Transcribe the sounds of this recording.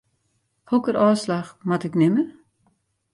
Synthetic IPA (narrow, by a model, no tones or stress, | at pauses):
hokəɾɔːslaxmatɪknɪmə